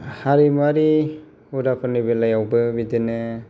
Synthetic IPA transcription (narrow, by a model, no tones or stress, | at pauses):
haɾimaɾi | udapʰɯɾnibelajawbɯbidenɯ